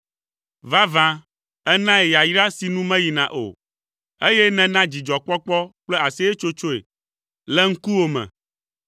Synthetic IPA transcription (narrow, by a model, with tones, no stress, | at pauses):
va˦vã˦ | ɛ˦nã˦e˨ja˨ji˦ɾa˦si˨nũ˦mɛ̃˦ji˨nã̰˨ʔo̰˨ | e˦jɛ˦nɛ̃˨nã˦d͡ʑi˨d͡ʒɔ˨k͡pɔ˦k͡pɔ˦k͡plɛ˦a˨si˦e˦t͡ʃo˦t͡ʃo˦ḛ˨ | lɛ˦ŋ̩˦ku˦wo˦mɛ̰̃˨